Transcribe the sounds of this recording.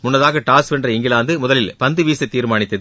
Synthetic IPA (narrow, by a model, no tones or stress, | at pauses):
mʊnːɐðaːɣɐʈaːspɛndrɐɪŋɡɪlaːnd̪ɯmʊðɐlɪlpɐnd̪ɯʋiːsɐt̪ːiːɾmaːɳɪt̪ːɐðɯ